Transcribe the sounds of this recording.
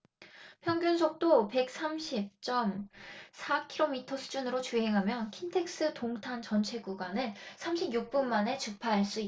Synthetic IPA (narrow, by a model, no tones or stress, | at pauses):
pʰjʌŋɡjunsʰok̚t͈ope̞k̚s͈ʰamɕʰip̚t͡ɕ͈ʌmsʰakʰiɾomitʰʌsʰu̥d͡ʑunɯɾot͡ɕuɦe̞ŋɦamjʌnkʰintʰe̞k̚s͈ɯtoŋtʰant͡ɕʌnt͡ɕʰe̞ɡuɡwanɯnsʰamɕʰibjuk̚p͈unmane̞t͡ɕɯk̚pʰaɦaɭs͈ui